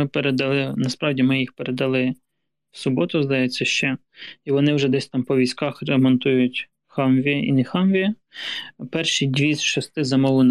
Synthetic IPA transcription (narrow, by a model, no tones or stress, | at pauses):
ɪpeɾed̪ɐlˠɪnɐspɾɑwdʲimɪjixpeɾed̪ɐlˠɪ | wsʊbɔt̪ʊzd̪ɐjɛt͡sʲːɐʃt͡ʃɛ | iʋɔnɪwʒɛd̪ɛsʲt̪ɑmpɔʋʲijsʲkɑxɾemɔnt̪ujʊtʲ | xɑmʋʲiḭnɛxɑmʋʲi | pɛrʃidʲʋʲisʲʃɔst̪ɪzɐmɔlˠʊn